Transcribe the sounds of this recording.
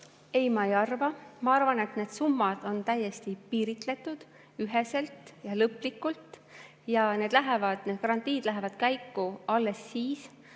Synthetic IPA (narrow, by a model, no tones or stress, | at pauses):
e̞jmɑejɑrvɑmɑɑrvɑne̞t̪ne̞ːd̪̥sumːɑd̪̥o̞nt̪æje̞st̪ipiːɾit̪ˑle̞t̪ːˑud̪̥ | yɦe̞se̞lt̪ˑjɑlɤplikːult̪ | jɑne̞ːd̪læɦe̞vɑd̪̥ned̪̚kɑɾɑnt̪iːd̪̥læɦe̞vɑd̪̥kæjkːuɑlːe̞sːiːs